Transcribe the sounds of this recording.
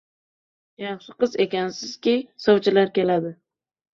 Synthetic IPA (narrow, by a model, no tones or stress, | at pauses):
jɑχʃɪqɨzekʲansɪz̥kʲisowt͡ʃʰɪlaɾkʲe̞lad̪ɪ